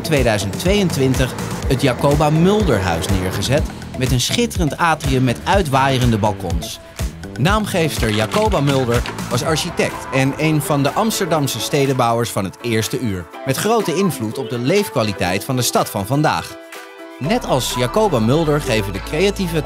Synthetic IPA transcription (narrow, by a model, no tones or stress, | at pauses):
tʋejdœɥzəntʋejəntʋɪntəχətjaːkowbaːmʏlˠdəɹɦœ̰ɥsnɪːɹχəzɛt | mɛtənsχɪtərəntaːtriəmːɛtœɥtʋaːjərəndəbɑlˠkɔ̰ns | naːmχejfstəɹjaːkowbamʏlˠdəɹʋɑsɑɹʃitɛk̚tɛnejnvɑndəʔɑmstəɹdɑmsəstejdəbɑwəɹsfɑnɦətɪːɹstəyːɹ | mɛtχrowtəɪnvlutɔb̚dəlejfkʋaːlitɛjtfɑndəstɑtfɑnvɑnda̰ːχ | nɛtɑlˠsjaːkowbamʏlˠdəɹχejvədəkrejativə